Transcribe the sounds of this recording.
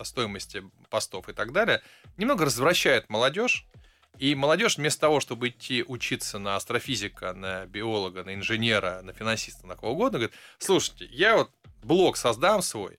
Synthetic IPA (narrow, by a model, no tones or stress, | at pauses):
ɐst̪o̞jɪməsʲtʲɪ | pɐst̪o̞fɨt̪ɐɡd̪alʲɪjə | nʲɪmno̞ɡəɾəzvɾɐɕːæjɪt̪məlˠɐdʲo̞ʂ | iməlˠɐdʲo̞ʂvmʲest̪ət̪ɐvo̞ʂt̪o̞bɨɪt̪ʲʰːiʔʊt͡ɕit̪sənəɐst̪ɾɐfʲizʲɪkənəbʲɪo̞lˠəɡənəɪnʐɨnʲe̞ɾənəfʲɪnɐnsʲist̪ənɐkɐvoʊɡo̞d̪nəɡəɐɾit̪slˠuʂɨ̥tʲɪjavo̞t̪̚blˠo̞ksɐzd̪amsvo̞̰j